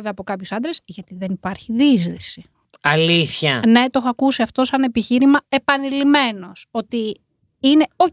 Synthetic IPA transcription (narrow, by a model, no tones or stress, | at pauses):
veɐpo̞kɐpçusɐnd̪ɾe̞sʝɐt̪iðe̞nipɐɾçiðizðisi | ɐliθçɐne̞t̪o̞xoɐkusiɐft̪o̞sɐne̞piçiɾimɐe̞pɐnilime̞no̞so̞t̪i | ine̞o̞